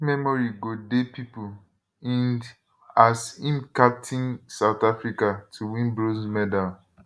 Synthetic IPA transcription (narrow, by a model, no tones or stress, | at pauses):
mɛmɔɹiɡodepipu | ĩnd | asĩmkap̚tʰĩnsaʊtafɹikatʰuwĩnbɹozmɛdal